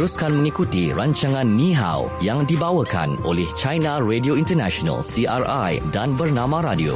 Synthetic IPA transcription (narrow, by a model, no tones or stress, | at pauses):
əɾuskanmə̃ŋikut̪iraɲt͡ʃaŋãnːĩɦa̰w | jaŋdibawəka̰nʔolɛht͡ʃajnãredioint̪ərnaʃona̰lsiʔarajdanbərnãmãɾadio̰